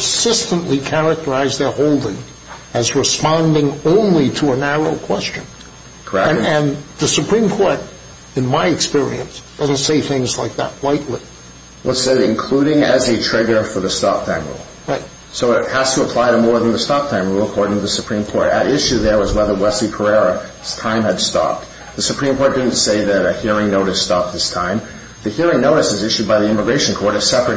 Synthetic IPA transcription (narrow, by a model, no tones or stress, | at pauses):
sɪstə̃nʔlikʰæɹɨk̚tə˞aɪzðə˞hoʊlˠdɪ̃ŋ | ɨzɹɨspɑ̃ndɪ̃ŋõʊ̃nliɾəənæɹoʊkʰw̥ɛst͡ʃɨ̃n | kʰə˞ɛ̃ɨ̃nðɨsɨpʰɹ̥ĩmkʰɔɹɾ | ɨ̃nmaɪɨkspɪɹḭɨ̃nsd̥ʌzn̩tseɪθɪ̃ŋzlaɪk̚ðə̰t̚waɪʔˡlḭ | lətseɪɨ̰̃nkʰl̥uɾɪ̃ŋɨzɨtʰɹ̥ɪɡə˞fə˞ðɨstɑp̚tʰãɪ̃mɹṵlˠɹaɪt̚ | soʊɪt̚hæztʰəəpʰl̥aɪɾɨmɔɹðə̃n̩ðəstɑp̚tʰãɪ̃mɹulˠəkʰɔɹɾɪ̃ŋtʰɨðɨsɨpʰɹ̥ĩmkʰɔɹtɨɾɪʃʉðə˞wʌzwɛðə˞wɛslipʰə˞ɛɹɨ | z̥tʰãɪ̃mɨd̥stɑ̰p̚ | ðɨsɨpʰɹ̥ĩmkʰɔɹt̚d̥ɪdⁿn̩tseɪðɨɾɨhiɹɪ̃ŋnoʊɾɨstɑp̚ðɪstʰãɪ̃m | ðɨhiɹɪ̃ŋnoʊɾɨsɨzɪʃʉd̚baɪðiɪ̃məɡɹeɪʃɨ̃nkʰɔɹɾɨ̥sɛpɹɨt